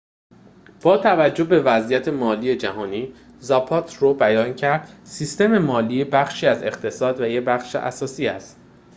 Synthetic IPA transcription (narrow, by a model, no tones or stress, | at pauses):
b̥ɒːt̪ʰævæd͡ʒːo̞be̞væzijæt̪ʰemɒːliːed͡ʒæɦɒːniː | zɒpʰɒːt̪ʰɾobæjɒːncʰæɾd̪̥siːst̪e̞me̞mɒːliːebæχʃiːæze̞χt̪ʰe̞sɒːd̪væjebæχʃḛʔæ̰sɒːsiːæst̪